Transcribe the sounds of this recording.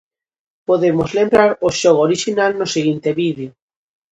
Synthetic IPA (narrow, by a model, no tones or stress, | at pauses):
poðemozlembɾaɾoʃɔɣooɾiʃinalnoseɣint̪eβiðjo